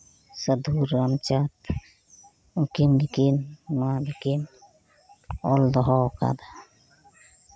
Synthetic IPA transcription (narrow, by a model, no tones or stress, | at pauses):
səd̪ʱuɾːamt͡ʃat̪ | ũkimlikinmanikin | ɔld̪ɔɦɔka̰d̪a